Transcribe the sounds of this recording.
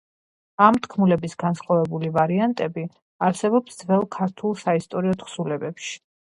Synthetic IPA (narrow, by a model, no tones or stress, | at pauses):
amt̪ʰkʰmulɛbisɡansχavɛbulivaɾiant̪ʼɛbi | aɾsɛbɔpsd̪zvɛlˠkʰaɾt̪ʰulˠsaist̪ʼɔɾiɔt̪χsulɛbɛpʃi̥